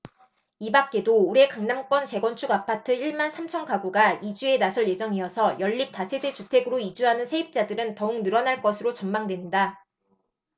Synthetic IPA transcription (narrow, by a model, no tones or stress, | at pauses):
ibak͈̚e̞doːɾe̞kaŋnaŋk͈wʌnt͡ɕe̞ɡwʌnt͡ɕʰuɡapʰatʰɯiɭmansʰamt͡ɕʰʌnkaɡuɡaid͡ʑue̞nasʰʌɭje̞d͡ʑʌŋiʌsʰʌjʌʎːip̚t͈asʰe̞de̞t͡ɕutʰe̞ɡɯɾoid͡ʑuɦanɯnsʰe̞ip̚t͡ɕ͈adɯɾɯntʌuŋnɯɾʌnaɭk͈ʌsʰɯɾot͡ɕʌmmaŋdwe̞nda